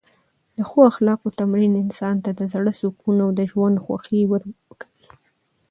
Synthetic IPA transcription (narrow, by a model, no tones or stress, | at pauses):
d̪̥əxoaxlɑqot̪amɾinɪnsɑnt̪ad̪əzɽəsukunawd̪əʒwand̪xwa̰xiwəɾkḁwi